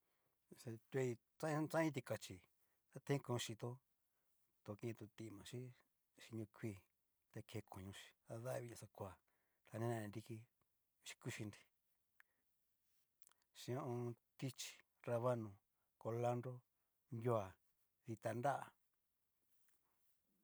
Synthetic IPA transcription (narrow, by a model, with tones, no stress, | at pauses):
se˧t̪e˧i˧ | t͡sã˦t͡sã˦ĩ˦t̪̬i˧ka˧˨t͡ʃi˧ | a˧t̪ẽ˦kũ˧ũ˧ʃi˧t̪o˦ | t̪o˧˨˧kĩ˦˧ĩ˧t̪u˧t̪i˧˨mã˨˧ʃi˦ | ʃi˧ɲũ˧kʰʷiː˧˨ | t̪e˧kʰe˨˧kʰõ˨ɲũ˧ʃi̥˧a˧ða˦˧βi˧ɲã˧sa˧kʷa˨ | t̪a˧nẽ˦nã˧nɾi˧ki˧ | ʃi̥˧ku˦ʃi˧ndi̥˧ | ʃĩ˧õ˧t̪i˦t͡ʃi̥˨ | ɾa˧βa˦nũ˨ | ko˧la˦nɾo˦ | njo˦a˨ | ði˧t̪a˧nda˦ʔa˨